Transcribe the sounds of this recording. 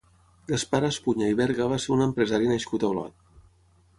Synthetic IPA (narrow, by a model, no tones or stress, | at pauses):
ɡ̪əspaɾəspuɲəiβɛɾɣəβaseɾunəmpɾəzaɾinəʃkut̪əlɔ̰t̪̚